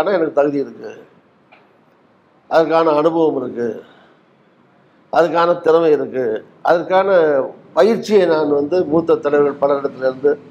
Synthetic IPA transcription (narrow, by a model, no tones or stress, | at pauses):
nɐɛnɐkːɯt̪ɐɣɯðɪjɪɾɯkːɯ | ʔɐðɐrkːaːnɐːnɯbɐʋɐmɪɾɯkːɯ | ʔɐðɯk̬ːaːnɐt̪ɪɾɐmɐɪɪɾɯkːɯ | ɐ̰ðɐrkːaːnɐpɐjɪɾt͡ʃːɪjenaːnʋɐnd̪ɯmuːt̪ːɐt̪ːɐɭɪʋɾɣɐɭpɐlɐɾɪɽɐt̪ːɪlɪɾɯnd̪ɯ